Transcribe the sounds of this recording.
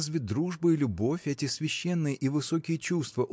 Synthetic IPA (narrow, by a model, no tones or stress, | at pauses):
zvʲɪt̚ʲd̪ɾuʐbɨilʲʊbo̞fʲɛtʲɪsvʲɪɕːenːɨjəʔivɨso̞kʲɪjət͡ɕust̪vəʔ